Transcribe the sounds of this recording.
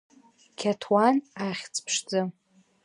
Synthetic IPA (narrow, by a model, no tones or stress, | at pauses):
kʲʰatʰwanaχʲt͡sʰʼpʰʂd͡zɨ